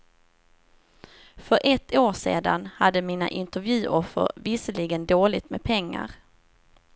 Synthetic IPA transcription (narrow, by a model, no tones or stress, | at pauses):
fœɾʔɛt̪ʰːoːʂḛːd̪a̰nhad̪ːəmiːna̰ʔɪnt̪əɾvjʉ̟ːʔɔfːə̰ɾvɪsəlɪɡənd̪oːlɪt̪mɛpʰɛŋːa̰ɾ